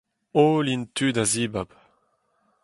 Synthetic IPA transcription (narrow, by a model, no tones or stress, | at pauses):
oːlint̪ʰyːdaziːbab